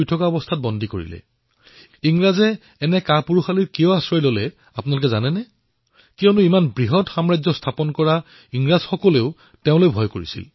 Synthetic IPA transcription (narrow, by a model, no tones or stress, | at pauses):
jtʰɔkaɔbɔstʰat̚bɔndʱikoɹḭlɛ̰ | iŋɹazɛː | nɛkapuɹuxaliɹkijɔaswajlolɛ | apʊnalʊk̬ɛzanɛnɛ | kiɔnuimanbɹiɦɔtxamɹazɔstʰapɔnkɔɹa | iŋɹaz̥xɔkɔleʊ | teʊ̃lojbʱɔjkoɹḭsḭl